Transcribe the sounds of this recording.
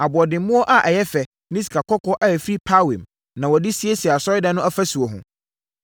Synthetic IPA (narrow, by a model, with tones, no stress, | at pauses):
a˨bʊ˨ɔ˨dɪ̃˨mmʊ̃˦ɔ˦ʔa˦ʔɛ˨jɛ˦fɛ˨ | nĩ˦s̬i̥˨kʰa˨kɔ˦kʰɔ˦ʔa˦˨fɾi˦pʰa˦wɛ̃˨m | nã˨wɔ˨di˦si˦e˦si˨a˨sɔ˦ɪ˦dɛ̃˦nʊ̃˦a˦fa˦su˨o˨ɦʊ̰̃˨